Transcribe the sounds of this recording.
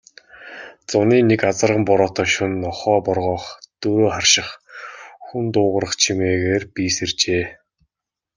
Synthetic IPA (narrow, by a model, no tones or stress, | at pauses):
t͡sʊniːnekat͡sə̆rʁə̆mpɔɾɔːt̪ɔːʃunɔχɔːpɔrʁɔːχt̪ɵɾoːχarʃɪ̆χ | xunt̪ʊːʁə̆ɾə̆χt͡ɕʰimeːɣeːrpisert͡ɕeː